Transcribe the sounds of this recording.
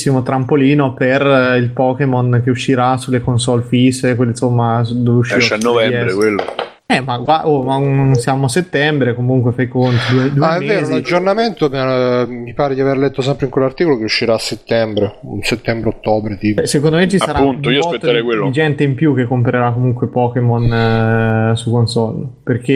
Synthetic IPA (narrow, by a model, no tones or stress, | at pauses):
sːimot̪ɾampoliːnoperilpɔːkemonk̟euʃːiɾasulːekonsɔlfiskwelːinsomːad̪oveuʃːiɾoɛnːovɛɛɾekwelːo | ɛmaɡwaomaunsjaːmoset̪ːɛmbɾekomuŋkwefajkont̪id̪ued̪ueaɛmeveːɾozunad͡ʒd͡ʒːornament̪omamipaːɾed̪iaveɾlɛt̪ːos̬ɛmpɾeiŋkwelːart̪ikolokeuʃːiɾaːsːet̪ːɛmbɾeunset̪ːɛmbɾeot̪ːoːbɾet̪iːpsek̬ond̪omet͡ʃisaɾaunt̪oioasɔpet̪ːɾɛjkwelːid͡ʒɛnt̪eimpjuk̟ːekːompeɾeɾakːomuŋkwepɔːkemɔn | sukonsɔlperk̟e